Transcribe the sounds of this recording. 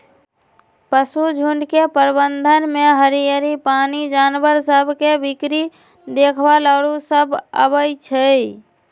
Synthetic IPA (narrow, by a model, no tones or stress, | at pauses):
pəsud͡ʒʱuɳɖkepəɾbənd̪ʱənmeɦəɾijəɾipanid͡ʒanbəɾsəbʱkebikɾi | d̪ekʰbaləɽusəbʱə̰bəjt͡ʃʰə